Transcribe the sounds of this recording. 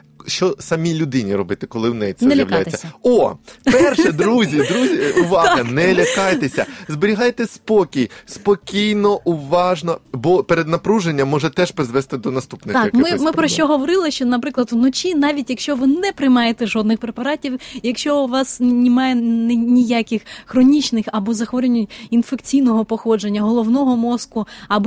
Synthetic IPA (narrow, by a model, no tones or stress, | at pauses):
ʃt͡ʃɔsɐmʲilʲʊd̪ɪnʲiɾɔbɪt̪ɪkɔlˠɪwnɛ̰jt͡s̪ʲnɛljʲɐʋlʲajt̪ʲːɐɔpɛrʃɛd̪ɾuzʲid̪ɾuzʲiuʋɑɦɐnɛlʲɐkɑjt̪esʲɐ̰zbeɾʲiɦɑjt̪ɛspɔkʲijspɔkʲijnɔʔʊʋɑʒnɔbɔpeɾed̪nɐpɾuʒenʲːɐmːɔʒɛt̪ɛʃpɾɪzʋɛst̪ɪd̪ɔnɐst̪upnɪt̪ɑkmɪmɪpɾɔʃt͡ʃɔɦɔʋɔɾɪlˠɪʃt͡ʃɔnɐpɾɪklˠɐd̪ʊnɔt͡ʃʲinɑʋʲitʲjɐkʃt͡ʃɔʋɪnɛpɾɪjmɑjet̪ɛʒɔd̪nɪxpɾepɐɾɑtʲiwjɐkʃt͡ʃɔʋɑsnʲɪmɑjɛnɛnʲijakʲɪxxɾɔnʲit͡ʃnɪxɐbɔzɐxʋɔɾʲɪnʲʊtʲinfekt͡sʲijnɔɦɔpɔxɔd͡ʒenʲːɐɦɔlˠɔwnɔɦɔmɔskʊɐbɔ